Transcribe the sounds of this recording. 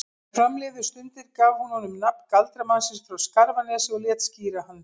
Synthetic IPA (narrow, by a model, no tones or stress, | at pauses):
fɾamlɛːðʏst̪ʏnt̪ɪɾkaːvhunhɔnʏmnap̚n̥kalt̪ɾamansɪnsfɾawskaɾvanɛːsɪɔlɛt̪sciːɾahanː